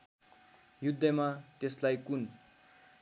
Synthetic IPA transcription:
jud̪ʱːʌmat̪eslajkun

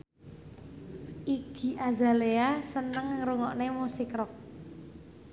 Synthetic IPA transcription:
ʔiɡ̥i̤ʔaza̤leasənəŋɾuŋɔʔnemusikɾɔk̚

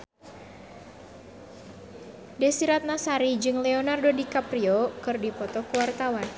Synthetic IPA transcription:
dɛsiɾat̪̚nasaɾid͡ʒɨŋlɛonardodikapɾiɔkɨrdipɔt̪ɔkuwart̪awan

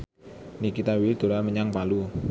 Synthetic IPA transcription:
nikit̪awild̪̥o̤laməɲaŋpalu

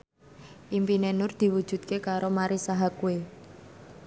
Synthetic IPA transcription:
ʔimpinenʊrd̪̥i̤wud̥ʒ̥ṳt̪̚kekaɾomaɾisaɦakue

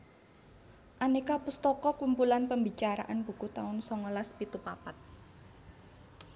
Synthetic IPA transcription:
ʔanekapust̪ɔkɔkumpulanpəmbit͡ʃaɾa̰ʔanb̥ṳkut̪aʊnsɔŋɔlaspit̪upapat̪̚

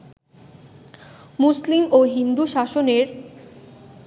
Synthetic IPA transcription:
muslimoɦind̪uʃaʃoneɾ

